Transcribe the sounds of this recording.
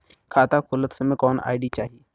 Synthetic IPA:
kʰaːt̪akʰʊlət̪səmẽkɔːna̰ːiɖit͡ʃaːɦi

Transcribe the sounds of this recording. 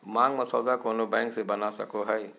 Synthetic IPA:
maŋməsɔzakonobɛ̃ŋksebɐnasə̰koɦəj

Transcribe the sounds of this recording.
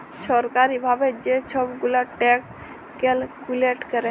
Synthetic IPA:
t͡ʃʰɔɾkaɾibʱabɛd͡ʒet͡ʃʰɔbɡulaʈɛks | kɛlkuleʈkəɾɛ

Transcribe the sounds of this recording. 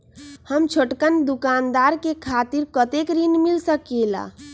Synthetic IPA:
həmt͡ʃʰoʈkənd̪ukand̪aɾkekʰat̪iɾkət̪ekɾinmilsəkela̰

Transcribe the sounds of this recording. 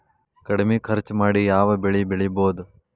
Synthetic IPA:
kɐɽmekʰɐɾt͡ʃmaːɽijaːʋɐbeɭibeɭiboːd̪u

